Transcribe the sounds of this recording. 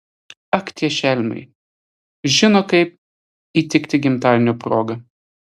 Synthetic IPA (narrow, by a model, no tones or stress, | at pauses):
ɐkt̪ʲiɛʃʲɛlʲmɐ̰ɪ | ʒʲɪnoːkɐɪp̚ | iːt̪ʲɪkʲt̪ʲɪɡʲɪmt̪ɑːlʲnʲoːpɾoːɡɐ